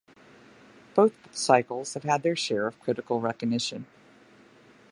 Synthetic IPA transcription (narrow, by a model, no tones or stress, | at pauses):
b̥oʊθsaɪkl̩ˠz̥hɨv̥ɨd̪̚ðə˞ʃɛɹʌv̥kʰɹ̥ɪɾɨkl̩ˠɹɛkɨɡ̚nɪʃɨ̃n